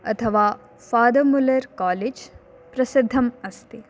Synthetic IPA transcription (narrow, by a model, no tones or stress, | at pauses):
ɐ̰t̪ʰɐʋaː | faːd̪ɐmulɐɾkaːleːd͡ʒ | pɾɐsid̪ʱːɐmɐst̪e